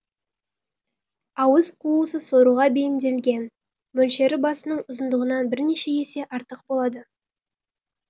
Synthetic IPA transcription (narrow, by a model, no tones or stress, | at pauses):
ɑwəzqʰuəsəsoɾuʁɑbe̞jɪmd̪e̞lɡʲe̞n | mɵlʃe̞ɾɪbɑsənəɴʊzənd̪əʁənɑnbɪɾne̞ʃe̞e̞se̞ʔɑɾt̪əq̚bo̞lˠɑd̪ə